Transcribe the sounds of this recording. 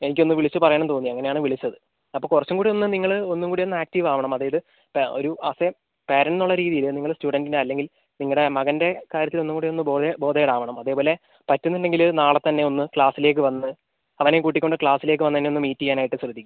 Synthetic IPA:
e̞nikʲːo̞nːɨʋiɭit͡ɕːɨpɐrɐjaːɳɐmt̪o̞ːnːiɐŋːɐnejaːɳɨʋiɭit͡ɕːɐðɨ | ɐpːoːkurɐt͡ɕːumkuːɽio̞nːɨniŋːɐɭo̞nːumkuːɽio̞nːɨaːk̚tiʋaːʋɐɳɐmɐðaːjɐðɨ | po̞̰ɾuʔaːse | peːɾɐnnuɭːɐɾiːðijilɨniŋːɐɭstuːɽɐndineɐlːe̞ŋɡil | niŋːɐɽe̞mɐɣɐnde̞kaːɾjɐt̪ːilo̞nːumkuːɽionːɨboːbo̞ːd̪ejɽaːʋɐɳɐmɐðe̞ːpo̞ːle̞ | pɐtːunːinde̞ŋɡilnaːɭɐt̪ːɐnːe̞o̞nːɨkɭaːsile̞ːk̬ːɨʋɐnːɨ | ɐʋɐnekuːʈːikʲːoɳɖɨkɭaːsile̞ːk̬ːɨʋɐnːɐt̪ːɐnːeo̞nːɨmiːtːiŋaːnaːjiʈːɨɕrɨd̪ʱːikʲːmum

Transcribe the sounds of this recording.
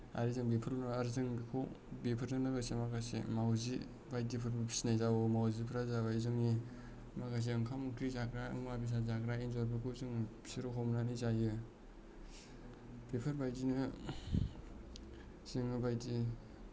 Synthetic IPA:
a̰ɾizɯŋbepʰɯɾnaaɾzɯŋbikʰow | bepʰɯɾnɯnɯɡasemakasḛmawzi | bajdipʰɯɾbɯpʰi̥sinajzawomawzipʰɾazabazɯŋni | makas̬iɯŋkʰamɯŋkʰɾizakɾaɯŋmabis̬azakɾainzɔɾbɯkʰɯzɯŋ | siɾoɦʰɔmnanizajɯ | b̥epʰɯɾbajdinɯ | z̥iŋbajdi

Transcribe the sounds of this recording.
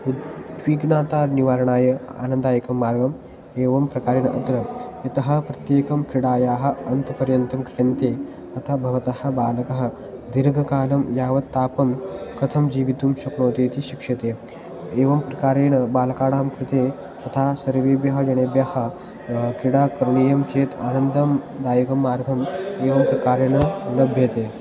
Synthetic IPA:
ud̪d̪ʋiːɡnaːt̪aːɾniʋaːɾɳaːjɐa̰ːnənd̪aːjkɐmːaːɾɡɐm | eːʋɐmpɾɐkaːɾeːɳʔɐd̪ɾɐjɐt̪ɐɦɐ̆pɾɐt̪jeːkɐmkɾiɽaːjaːɦɐ̆ɐnt̪ɐpɐɾjɐnt̪ɐmkɾijɐnt̪eː | ɐt̪ʰabʱɐʋɐt̪ɐhɐ̆baːlkɐɦɐ̆ | d̪iɾɡʱɐkaːlɐmjaːʋɐt̪ːaːpɐmkɐt̪ʰɐmd͡ʑiːʋit̪umɕɐkɳoːt̪eːt̪iːɕikʂɐt̪e | eːʋɐmpɾɐkaːɾeːɳɐbaːlkaːɽaːmkɾut̪e | t̪ɐt̪ʰasɐɾʋeːbjɐɦɐd͡ʒɐɽ̃ebjahɐ̆ | kɾiɽaːkɐɾɳiːjɐmt͡ʃeːt̪ʰa̰ːnənd̪ɐmd̪aːjikɐmːaːɾɡʱɐmeːʋɐmpɾɐkaːɾeːɽ̃ɐlɐbʱjet̪eː

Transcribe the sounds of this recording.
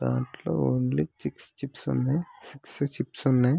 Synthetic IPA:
d̪aːɳʈlo̰ːoːɳlit͡ʃikst͡ʃipsunːajsiksut͡ʃipsunːaj

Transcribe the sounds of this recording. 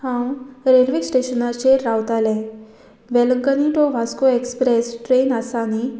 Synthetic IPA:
hãwɾelʋesʈeɕənat͡ɕeɾawt̪alɛ̃ | ʋeləŋkəniʈoʋʱaskoekspɾesʈɾenasani

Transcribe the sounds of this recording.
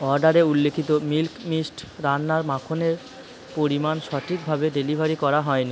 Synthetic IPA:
ɔɾɖaɾeulːekʰit̪omilkmisʈɾanːaɾmakʰoneɾ | poɾimanʃɔʈʰik̚bʱabeɖelibʱaɾikɔɾaɦɔeni

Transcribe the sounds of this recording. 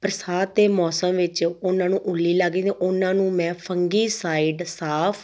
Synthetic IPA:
pəɾəsaːt̪ːeːmɔːsəmʋɪt͡ʃʊnãːnũːʔʊlːiːlaɡiːneːʔʊnãːnũːmɛ̃ːpʰəŋɡiːsaːiːɖsaːpʰ

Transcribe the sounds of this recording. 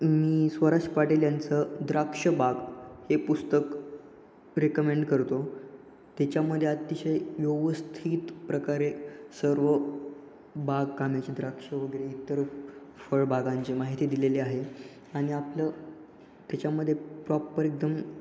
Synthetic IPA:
miːsʋəɾaʂpaʈeljant͡səd̪ɾakʂəbaɡhepust̪ək | ɾekəmeɳɖkəɾt̪o | t̪at͡ɕjaməd̪ʱːjeat̪ːiɕejʋjoʋəst̪ʰiːt̪pɾəkaɾesəɾʋə | baɡkamjat͡ɕed̪ɾakʂəʋəɡəɾeit̪ːəɾfəɭbʱaɡãɲt͡ɕemaɦit̪iːd̪ileleaɦe | aɽ̃iaplə | t̪jat͡ɕjaməd̪ʱːjepɾɔpːəɾek̚d̪əm

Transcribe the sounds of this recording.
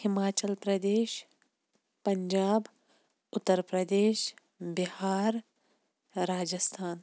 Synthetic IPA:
hɪmaːt͡ʃəlpɾɐd̪eːʃ | pɐɲd͡ʒaːb | ʊt̪ːəɾpɾɐd̪eːʃ | bɪhaːɾ | ɾaːd͡ʒəst̪ʰaːn

